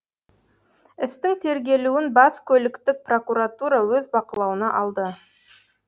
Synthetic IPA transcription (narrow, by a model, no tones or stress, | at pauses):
ɪst̪ɪŋt̪ʰe̞ɾɡʲe̞luwɪnbɑskʲʰɵlɪkt̪ɪk̚pro̞kuɾat̪uɾɑwɵzbɑqəlˠɑwənɑʔɑlˠd̪ə